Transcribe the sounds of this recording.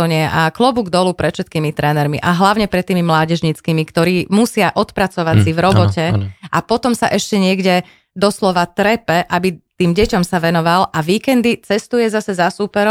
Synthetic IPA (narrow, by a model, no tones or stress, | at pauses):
ɲɪɛʔaklɔbuɡd̪ɔlupɾɛt̪fʃɛt̪̚kiːmit̪ɾʔɛːnɛɾmḭʔaɦlaʊɲɛpɾɛt̪ːiːmimlaːɟɛʒɲit͡skiːmikt̪ɔɾiːmusɪaʔɔt̪pɾat͡sɔʋasivɾɔbɔtɛʔapɔt̪ɔmsaʔɛʃcɛɲɪɛɡɟɛ | d̪ɔslɔʋat̪ɾɛpɛʔabit̪iːmɟɛcɔmsaʋɛnɔʋalʔaʋiːkɛnd̪it͡sɛst̪ujɛzasɛzasupɛɾɔ